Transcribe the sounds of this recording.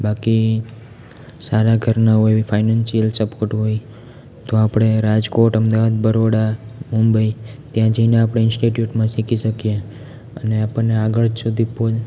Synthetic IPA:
baki | saɾaɡʱəɾnaɦojfʰainansijəlsəpoɾʈɦoj | t̪oapɽ̃eɾad͡ʒkoʈəmd̪aʋad̪̚bəɾoɽamumbəit̪jãd͡ʒəineapɽ̃eɪnsʈiʈjuʈmãsikiʃəkje | əneapəɳnːeaɡəɭd͡ʒsud̪ʱipod͡ʒ

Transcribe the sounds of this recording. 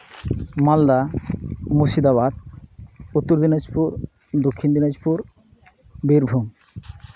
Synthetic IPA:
mɔld̪a | mosid̪aβad̪ | ut̪ːoɾd̪inad͡ʑpuɾ | d̪okʰːind̪inad͡ʑpuɾ | biɾbʱum

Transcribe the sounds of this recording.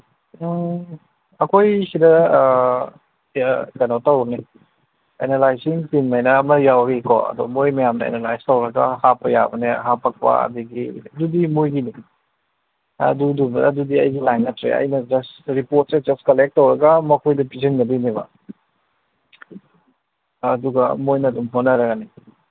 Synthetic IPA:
ɐkʰojsidɐ | kɐnawtɐwɾne | ḛnelajsiŋtinmajnɐːmɐjawɾikʰɔ̰ɐ̰dɔ̰mojmɐjamnɐḛnelajstɐwɾɐɡɐ̰hapɐja̰bɐneɦapʰɐk̚pɐ̰ɐ̰diɡiɐdudimojɡini | ɐ̰dudubɐ̰dudiɐjɡilajnːɐtɾḛɐ̰jnɐd͡ʒɐsɾipoɾt̚sed͡ʒɐstkɐlek̚tːɐwɾɐɡɐmɐkʰojdɐpiziŋnɐbinibɐ̰ | ɐduɡɐmojnɐdumɦonːɐɾɐɡɐni

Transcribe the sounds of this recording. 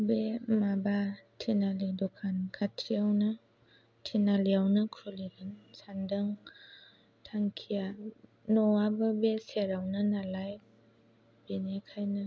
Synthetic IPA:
bemabatʰinalidɔkʰankʰatʰiawnɯ | tʰinaliawnɐkʰuliɡɯnsandaŋ | tʰaŋkʰija | nɔabəbeseɾawnɯnalaj | b̥enekʰajnɯ

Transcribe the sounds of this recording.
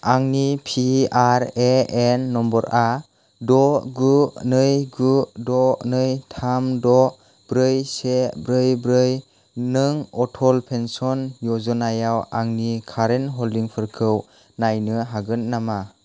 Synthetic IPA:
aŋnipʰiaɾeenːɔmbɔɾa | dɔɡunɯjɡudɔnɯjtʰamdɔ | b̥ɾɯjsebɾɯjbɾɯj | nɯŋɔtʰɔlpʰensɔnjɔzɔnajawaŋnikʰaɾenɦɔliŋpʰɯɾkʰɯw | najnɯɦaɡɯnt̚nama

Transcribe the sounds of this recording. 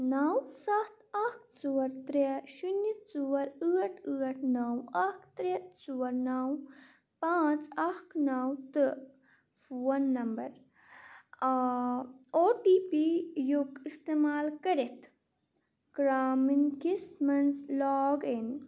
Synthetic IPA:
naːwsɐt̪ɐkt͡suwɐɾt̪ɾeʃunːit̪t͡suwɐɾɨːɐʈʰɨːɐʈʰnaːwɐkt̪ɾet̪suwɐɾnaːw | paːt͡sɐknaːwt̪ɨ | fuwɐnːɐmbɐɾ | oːʈiːpijukist̪emaːlkɐɾet̪ʰ | ɡ̥ɾaːminkismɐnzlaːɡin

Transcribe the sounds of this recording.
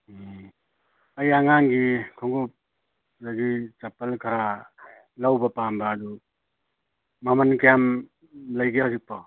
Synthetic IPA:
ajaŋaŋɡikʰaŋɡu | zaɡit͡ʃapalkʰaɾa | lawbɐpambaːd̪u | mamankajam | ləjɡehawzik̚pɔ

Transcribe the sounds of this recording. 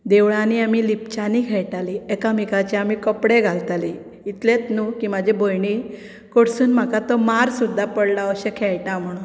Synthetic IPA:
d̪eʋɭãniamilipt͡ɕanikʰɛɭʈaliekamikat͡ɕeamikəpɽeɡʱalt̪ali | it̪let̪nukimad͡ʑʱebojɳi | koɽsuːnm̤akat̪ɔmaɾsud̪ʱːapəɽlaəɕekʰɛɭʈam̤əɽ̃ũːn

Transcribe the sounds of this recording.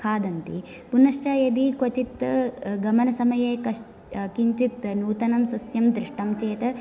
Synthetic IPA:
kʰaːd̪ɐnt̪i | punɐʂʈɐjɐd̪ikot͡ʃit̪ɡɐmɐnɐsɐmɐjeːkɐʂ | kiɲt͡ʃit̪nuːt̪ɐnɐmsɐsjɐmd̪ɾiʂʈɐmt͡ʃeːt̪ɐ

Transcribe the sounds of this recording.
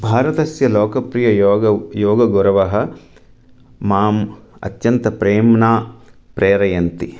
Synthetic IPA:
bʱaːɾɐt̪ɐsjɐloːkɐpɾijɐɐjoːɡɐɡuɾɐʋɐɦɐ̆ | maːmɐ̰t̪jɐnt̪ɐpɾeːmnaːpɾeːɾɐjɐnt̪i

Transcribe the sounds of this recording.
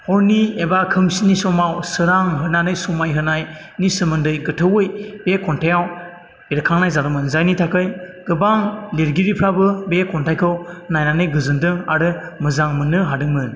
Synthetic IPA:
hɔɾniebakʰɯmsinisɔmawsɯɾaŋɦɯnanɯjsɔmajɦɯnaj | nisɯmɯndɯjɡɯtʰɯwɯjb̥ekʰɔntʰajaw | beɾkʰaŋnajzaɾɯmɯnzajnitʰakʰɯjɡ̥ɯbaŋleɾɡiɾipʰɾabɯbekʰɔntʰajkʰɯwnajnanɯjɡɯzɯndɯŋaɾɯmɯzaŋmɯnɯɦadɯŋmɯn

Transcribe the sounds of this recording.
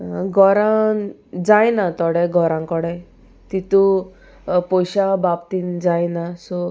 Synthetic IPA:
ɡʱɔɾã | d͡zajnat̪ɔɽɛɡʱɔɾãŋkɔɽɛ | t̪it̪u | pɔjɕabapt̪ind͡zajnasɔ

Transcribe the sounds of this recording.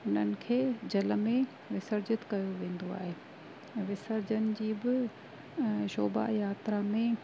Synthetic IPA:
ʊn̤ənɪ̆kʰeːd͡ʑɐləmẽ | ʋɪsəɾd͡ʑɪt̪kɐjoʋẽːn̆d̪oa̰ːɦeː | ʋɪsəɾd͡ʑənɪ̆d͡ʑiːbɪ | ʃoːba̰jaːt̪ɾamẽ

